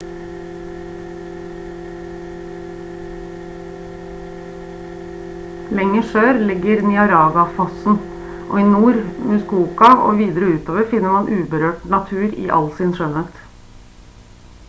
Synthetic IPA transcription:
lɛŋəføːɾlɪɡəɾnɪɑɾɑːɡɑfɔsn̩ | ʔo̰ːiːnuːɾmʉskuːkɑʔo̰ːʋiːd̪ɾəʉːt̪oːʋəɾfɪnəmɑnʔʉːbəɾøːʈnɑt̪ʰʉːɾḭːʔɑ̰lsɪnʃœnət̪

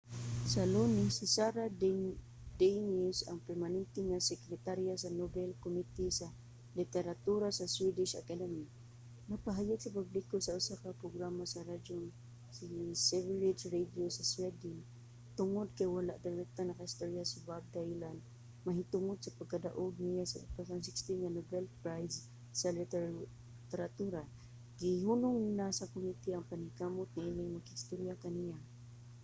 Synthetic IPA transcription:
salonisisaɾa | d̪enʊsaŋpɛɾmanɛnt̪ɪŋasɛkɾɛt̪aɾijasanobɛlkomit̪isa | lit̪ɛɾat̪uɾasaswidɪʃa̰kadɛmi | napaɦajaɡsapablikosaʊsakapɾʊɡɾamasaɾad͡ʒʊn | sisɛvɾid͡ʒrediosaswɛdɪn | t̪ʊŋʊd̪̚kajwalaʔd̪aɾɛk̚t̪anakahist̪oɾijasʊbab̚d̪ajland̪ | maɦit̪ʊŋʊd̪sapaɡ̚kad̪aʔʊɡ̚nijasat̪asansɪkst̪inŋanobɛlpɾajz | salit | t̪ɛɾat̪uɾa | ɡiɦunʊŋinasakomit̪iaŋpanikamʊt̪̚ɲailɪŋmaɡhist̪uɾjakanija

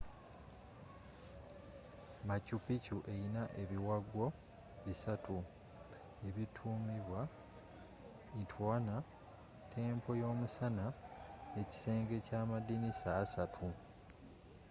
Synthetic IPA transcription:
macupicuʔeinaʔe̞βiwaɡo̞ | βisatʰu | e̞βitʰuːmiβwa | itʰwaːna | tʰe̞ːmpʰo̞jo̞ːmusanae̞ci̥se̞ːŋɡe̞caːmadinisaːsatʰu

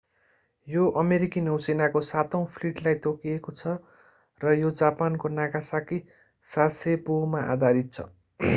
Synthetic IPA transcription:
joʔʌmeɾikinewsenakosat̪ʌw̃pʰliʈlajt̪okiekot͡sʰʌ | rʌjod͡zapankonakasaki | sasepomaʔa̰d̪ʱaɾit̪̚t͡sʰʌ̰

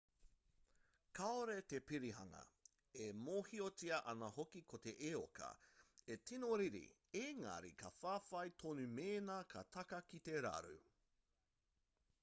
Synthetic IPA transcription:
kʰɐoɾet̪epiɾiɦɐŋɐ̰ | emoːhiot͡siɐʔɐnɐhokikʰot̪eʔeo̰kɐ̰etinoɾiɾḭ | eŋɐ̰ɾḭkʰɐfaːfɐjtʰonumeːnɐkʰɐtʰɐkɐkit̪eɾɐ̰ɾṵ

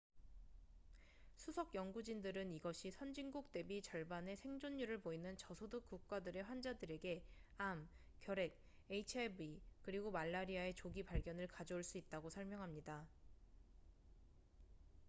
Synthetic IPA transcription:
sʰusʰʌkjʌŋɡud͡ʑindɯɾɯniɡʌɕʰisʰʌnd͡ʑiŋɡuk̚t͈e̞bit͡ɕʌɭbane̞sʰe̞ŋd͡ʑoɲːuɾɯɭpoinɯnt͡ɕʌsʰoduk͈̚uk̚k͈adɯɾe̞ɸwand͡ʑadɯɾe̞ɡe̞am | k͈jʌɾe̞k̚ | e̞it͡ɕʰebikɯɾiɡomaɭːaɾiae̞t͡ɕoɡipaɭɡjʌnɯɭkad͡ʑoːɭs͈uit̚t͈aɡosʰʌɭmjʌŋɦamɲida

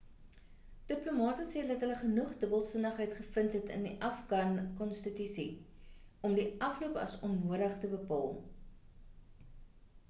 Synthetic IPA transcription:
d̥əplumɑːtəsiːdɐtɦələχənuχdəbəlˠsənəχɦəjtχəfəntɦɛtə̰ndiʔɐfɡɑnkɔnstətysi | ɔmdiʔɐfluəpɐ̰sɔmnuəɾəχtəbəpɑ̰ːlˠ

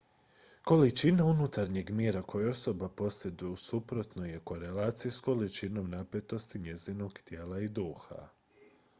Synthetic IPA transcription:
ko̞lit͡ʃinaunut̪aɾɲe̞ɡmjeːɾakʰo̞jeo̞sobapo̞se̞d̪ujusupɾo̞t̪noje̞ko̞ɾe̞laːt̪sijusko̞lit͡ʃino̞mnape̞t̪o̞st̪iɲe̞zino̞ɡt̪jeːlaid̪uːxa̰

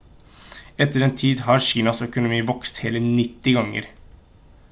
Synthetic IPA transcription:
ɛt̪əɾeːnt̪ʰiːd̪ɦɑɾʃiːnɑsœkʊnʊmiːʋɔkst̪heːlənɪt̪ːɪɡɑŋːə̰ɾ

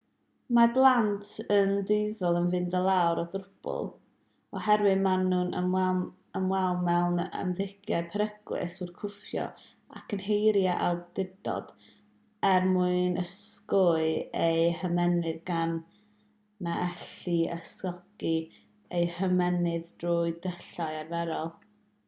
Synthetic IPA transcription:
marblˠantʰəndɪɨðɔlˠənvɨndəlˠawɾɔdrʊb̥ʊ̰lˠ | ɔhɛɾwɨðmanːuːnə̰mwɛ | əmwɛlˠmɛlˠnə̰mðɪɡjaɨpʰəɾəɡ̥lˠɪ̰surkʰʊfjɔ̰ | a̰kʰənhejɾjaʔa̰lˠdɪdɔ̰d̥ | ɛrmuɨnʔəskʊɨejhəmɛnɨðɡanː | aʔɛɬiə̰sɔɡ̥i | ejhəmɛnɨðdruɨdəɬaɨarvɛɾɔlˠ

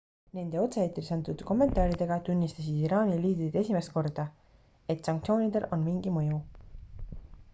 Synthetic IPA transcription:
ne̞nd̪̥e̞o̞t̪se̞et̪ːɾisɑnt̪ud̪ko̞mːe̞nt̪ˑɑːɾid̪e̞ɡ̥ɑt̪unʲːist̪ɑs̬id̪̥iɾɑːnʲiliːd̪ɾid̪e̞sʲimest̪̚ko̞rd̪̥ɑ | e̞t̪sɑŋk̚t̪sʲio̞ːnʲid̪̥e̞lʔo̞nmiŋɡ̥imɤju

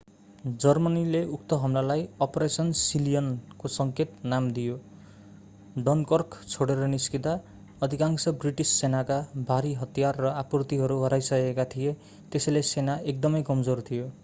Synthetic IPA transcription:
d͡zʌrmʌnileuk̚t̪ʌɦʌmlalajʌpoɾesʌnsilijʌnkosʌŋket̪namd̪ijo | ɖʌnkʌrkt͡sʰoɽeɾʌniskit̪a | ʌd̪ʱikaŋsʌbriʈisːenakabʱaɾiɦʌt̪ijarːʌapurt̪iɦʌɾuɦʌɾajsʌkekat̪ʰije | t̪esʌjlesenaek̚d̪ʌmʌjkʌmd͡zort̪ʰijo

